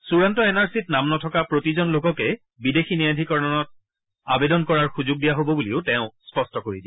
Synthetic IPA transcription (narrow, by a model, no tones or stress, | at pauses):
suɹantɔɛnaɹsitnamnɔtʰɔkapɹotizɔnlokɔkɛ | bidexinijadʱikɔɹnɔnɔt̚ | abedɔnkɔɹaɹxuzʊɡ̚dijaɦobɔbuliʊtɛʊ̃spɔstɔkoɹidĩ